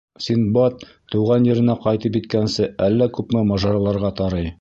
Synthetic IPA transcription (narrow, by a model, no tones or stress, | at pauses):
sinbɑt̪ː | ŭwʁɑnjɘ̆ɾɘ̆næqɑjt̪ɤp̬jit̪̚kænsɘælːækʉpmɘmɑʒɑɾɑlˠɑɾʁɑt̪ɑɾɤj